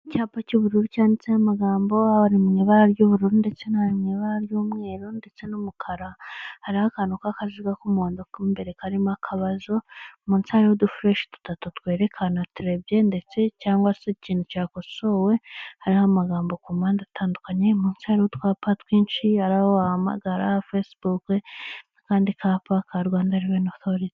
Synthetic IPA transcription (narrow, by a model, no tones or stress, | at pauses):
caːpacuβuɾuɾucaːndit͡sehamaɡaːmbo̞aaɾimŋiːβaɾaɾɟuβuɾuɾunde̞t͡se̞nahaɾimŋiːβaɾaɾjuːmŋe̞ːɾonde̞t͡se̞numukʰaɾahaɾihakanukakaziɡakumoːndokːmbe̞ɾe̞kaɾimakʰaβazo̞muːnsihaɾihodufɾe̞ːʃe̥tu̥tatutkwe̞ːɾe̞kʰanatuɾe̞bje̞nde̞t͡se̞caːŋɡwaseciːn̥ucaːko̞so̞we̞haɾihamaɡaːmbokumaːndatʰaːndukaɲemuːnsihaɾihotwaːpatwiːnʃihaɾahoahama̰ɡaɾa̰hafesbukeakaːndikʰapakaɾɡaːndaɾiβenoθoɾiti̥